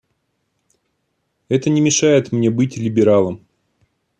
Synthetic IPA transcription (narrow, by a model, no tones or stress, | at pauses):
ɛt̪ənʲɪmʲɪʂajɪt̪mnʲe̞bɨtʲlʲɪbʲɪɾalˠəm